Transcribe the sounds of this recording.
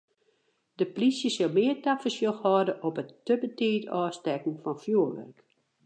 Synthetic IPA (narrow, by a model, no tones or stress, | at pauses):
d̥əplisjəsɔlˠmɪərtapfəsjoxhɔdəʔɔpətːəbətɪːtɔːstɛkn̩fɔnfjuːʋɛ̰rk